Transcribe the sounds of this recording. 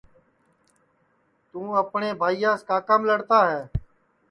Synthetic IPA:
t̪ũːəpɳeːbʱaːiːjãːskaːkəmləɽt̪aːɦɛː

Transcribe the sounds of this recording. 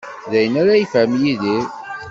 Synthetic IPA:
ðæjənaɾajfæmjiði

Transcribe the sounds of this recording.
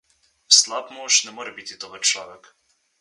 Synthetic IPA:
slat̪mɔʃnɛmoːɾɛbit̪it̪oʋəɾt͡ʃlaːʋɛk

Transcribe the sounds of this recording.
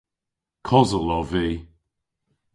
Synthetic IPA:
kʰɔzəlɔviː

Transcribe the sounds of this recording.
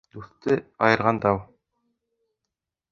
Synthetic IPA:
d̪uθt̪ɘɑjɤ̆ɾʁɑnd̪ɑw

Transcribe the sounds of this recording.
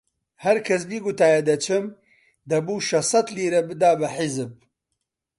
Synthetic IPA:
hɐɾkʰɐs̬biːɡʊt̪aːjɐd̪ɐt͡ʃʰɨm | d̪ɐbuːʃɐsɐt̪liːɾɐbɨd̪aːbɐħizɨb̚

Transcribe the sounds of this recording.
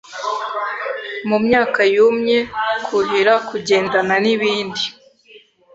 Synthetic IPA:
mumɲaːkajumɲe̞kʰuɾiɾakuɟe̞ːndananiβiːndi

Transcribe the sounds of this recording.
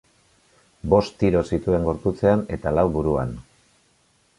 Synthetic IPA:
bo̞st̪iɾo̞sit̪ue̞ŋɡo̞ɾput͡se̞ane̞t̪alawβuɾua̰n

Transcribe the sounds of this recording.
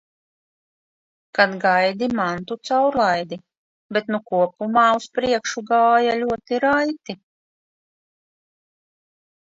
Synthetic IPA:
kad̪ɡajd̪imant̪ut̪sawɾlˠajd̪i | bɛt̪nukuɔpumaːuspɾiɛkʃuɡaːjalʲuɔt̪iɾajt̪i

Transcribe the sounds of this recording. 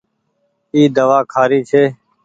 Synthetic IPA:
iːd̪əʋaːkʰaːɾiːt͡ʃʰeː

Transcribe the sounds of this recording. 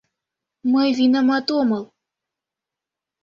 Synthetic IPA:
məjvinəmɑt̪omɤlˠ

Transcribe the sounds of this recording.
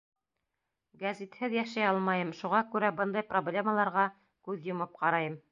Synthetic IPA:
ɡæzʲit̪hɘðjæʃæjɑlˠmɑjɤmʃuʁɑkʉɾæbɤnd̪ɑjproblʲeməlˠɑɾʁɑ | kʉðjŏmɤp̚qɑɾɑjɤm

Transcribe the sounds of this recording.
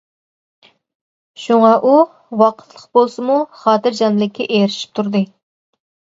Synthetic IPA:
ʃuŋɑʔu | wɑqʰə̥t̪ʰlˠəqbolˠsɨmuχɑːt̪ɨɾd͡ʒɑnlˠɪkʲːɛʔeɾɪʃi̥p̚t̪ʰuɾd̪ɨ

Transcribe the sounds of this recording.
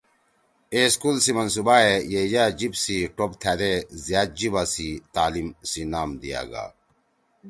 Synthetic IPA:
eːskuːlsimɐns̬ubaːejed͡ʑaːd͡ʑibsiʈobt̪ʰad̪ezjaːt̪̚d͡ʑibasit̪aːlimsinaːmd̪ija̰ːɡa̰ː

